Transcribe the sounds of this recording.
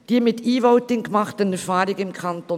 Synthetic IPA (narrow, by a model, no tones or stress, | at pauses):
d̥iːmɪt̪iːvoʊtɪŋkmɑχtənɛɾfɑːɾɪɡɪmkʰɑnt̪o